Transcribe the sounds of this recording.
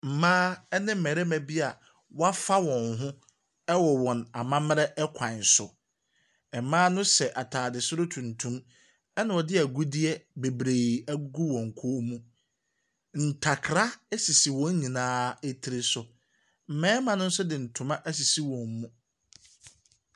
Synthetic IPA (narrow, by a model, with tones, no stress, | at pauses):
m̩˨mãː˦ɛ˦nɪ̃˦m̩˦˨mɛ˨ɾɛ˦mæ̃˨bi˦a˨ | wa˦fa˦wɔ̃˨nɦʊ̃˦ | ɛ˦wɔ˨wɔ̃˨na˨mã˦mɪ˦ɾɛ˦ɛ˦kʷʰã˨nsʊ˨ | ɛ˨˦mãː˦nʊ̃˦sɛ˨ʔa˨tʰaː˨dɪ˨sʊ˦ɾʊ˦tʰũ˨ntʰũ˦m | ɛ˦nã˨wɔ˨dɪ˦æ˨ɡu˦di˦ɛ˦be˨bɾe˨æ˦ɡu˦wɔ̃˨ŋ̩˨kʰʊ˦o˦mũ˦ | n̩˨tʰa˨kʰɾa˦æ˦si˨si˨wɔ̃˦ɲ˦ɲĩ˨nãː˦ɛ˦tʰi˦ɾɪ˨sʊ˨ | m̩˨mɛ̃ː˦mã˨nʊ̃˦n̩˦sʊ˦dɪ̃˨n̩˨tʰʊ̃˨mã˦ʔæ˦s̬i˨si˦wɔ̃˨m˦mũ˦